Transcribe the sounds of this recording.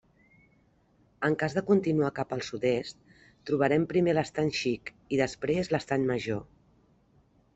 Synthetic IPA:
əŋkazðəkunt̪inuakapəlˠsut̪est̪ | t̪ːɾuβ̞əɾɛmpɾimeləst̪aɲʃik | iðəspɾezləst̪aɲməʒo

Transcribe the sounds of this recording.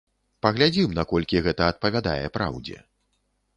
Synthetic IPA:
pɐɣlʲad͡zʲimnakɔlʲkʲiɣɛt̪ɐːt̪̚pɐvʲad̪a̰jɛpɾa̰wd͡zʲɛ̰

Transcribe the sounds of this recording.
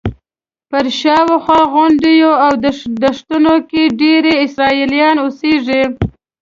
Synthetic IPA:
pəɾʃɑwoxwɑɣʊnd̪ijoawd̪d̪əʂt̪ʊnokeɖeɾeɪsɾɑilijɑnoseʐi

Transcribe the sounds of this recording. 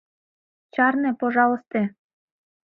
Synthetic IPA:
t͡ɕɑrnepoʒɑləst̪e

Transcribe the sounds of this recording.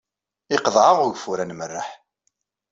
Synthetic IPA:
ɪqðˤʕaʁʊʝfuɾænmərːaħ

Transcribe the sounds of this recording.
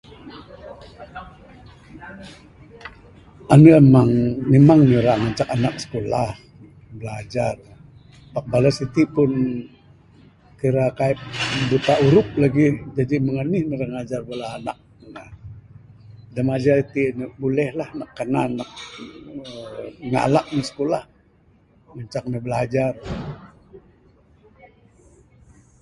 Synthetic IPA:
anuemaŋmemaŋnəɾaŋat͡ʃakanak̚sə̥kolah | bəlad͡ʒar | pak̚balasit̪ipʊn | kiɾakaɛp̚but̪auɾʊp̚laɡid͡ʒadiməŋanihnəɾəŋad͡ʒarbalaːna̰k̚əŋa̰ | damad͡ʒarit̪inbulɛhlahnakːənanːak̚ | əŋa̰lak̚nisə̥kolah | məɲt͡ʃak̚nəbəlad͡ʒar

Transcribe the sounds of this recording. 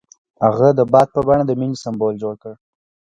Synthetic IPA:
haɣad̪əbɑd̪̚pəbɑɳad̪əminisambold͡ʒoɽkəɽ

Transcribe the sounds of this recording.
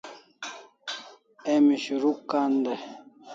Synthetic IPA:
emiɕuɾukːaːnd̪e

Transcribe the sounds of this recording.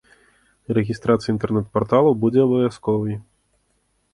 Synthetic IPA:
rɛɣʲist̪ɾat̪sɨjɐint̪ɛrnɛt̪̚pɔrt̪alˠubud͡zʲɛɐbɐvʲaskɔvɨj

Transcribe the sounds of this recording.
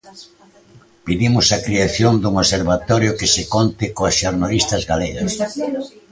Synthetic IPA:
piðimʊsakɾiaθjond̪uŋoseɾβat̪ɔɾjʊkɪsɪkont̪ɪkoasʃoɾnalist̪ɐzɣaleɣas

